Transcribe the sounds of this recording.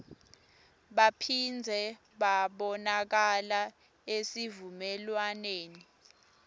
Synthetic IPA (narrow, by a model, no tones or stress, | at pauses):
ɓapʰind͡zʱɛ | ɓaɓɔnak̬ala | esivumɛlwaneːni